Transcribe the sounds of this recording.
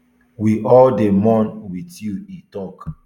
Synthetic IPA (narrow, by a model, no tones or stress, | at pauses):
wiʔɔldemɔ̃nwitilitɔk